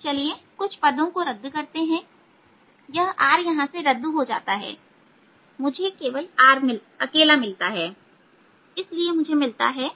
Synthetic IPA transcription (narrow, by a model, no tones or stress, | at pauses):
t͡ʃɐliekʊt͡ʃʰpɐd̪õkoɾɐd̪ːkɐɾt̪eɦɛ̃ː | jɐɦʔaːɾjɐɦãseɾɐd̪ːɦod͡ʒa̰ːt̪aɦɛ̰ː | mʊd͡ʒʱekeːʋəlaːɾmɪl | ɐkeːlamɪlt̪aɦɛː | ɪsliemʊd͡ʒʱemɪlt̪a̰ɦɛː